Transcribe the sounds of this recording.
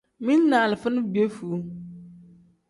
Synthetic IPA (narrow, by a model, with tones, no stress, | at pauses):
mĩ˦nː˦ãː˨lɪ˨fʊ˦nʊ̃˦bi˨e˦fu˨˦